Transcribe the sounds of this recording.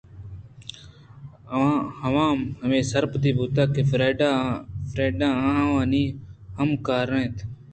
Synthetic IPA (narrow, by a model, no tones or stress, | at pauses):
əãːhəʋãːmɦəmẽːsəɾpt̪iːbuːt̪aːkeɾeːɖafɾeːɖãːãːɦãːʋãːniːɦəmkaːɾẽːt̪ʰ